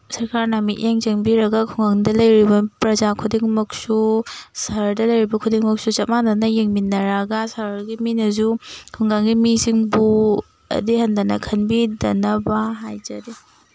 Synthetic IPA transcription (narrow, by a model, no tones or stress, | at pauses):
sɐɾkaɾnamiʔʔeŋd͡ʒɐŋbiɾɐɡɐkʰuŋɡaŋdɐlɐjɾibɐpɾɐzakʰudiŋmɐk̚susɐɾdɐlɐjɾibɐkʰudiŋmɐk̚sut͡ʃɐt̚maŋdɐnɐjeŋminːɐɾɐɡɐsaɾɡiminɐzukʰuŋɡaŋɡimisiŋbu | ɐ̰dihɐndɐnɐ̰kʰɐnbidɐnɐbaɦajzɐde